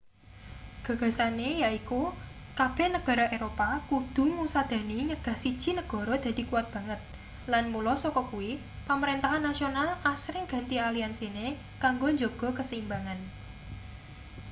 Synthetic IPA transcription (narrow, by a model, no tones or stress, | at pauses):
ɡ̥ä̤ɡ̥ä̤sanejaiku | kab̥ɛ̤hnəɡ̥ɔ̤ɾɔʔeɾopakud̪̥ʊ̤ŋusad̪̥ä̤niɲəɡ̥ä̤hsid̥ʒ̥i̤nəɡ̥ɔ̤ɾɔd̪̥a̤d̪̥i̤kuwat̪̚b̥ä̤ŋət̪̚ | lanmulɔsɔkɔkuwi | paməɾent̪aɦanːasionalasɾɪŋɡ̥a̤nt̪ialiansine | kaŋɡoɲd͡ʒoɡ̥ɔ̤kəsimbaŋan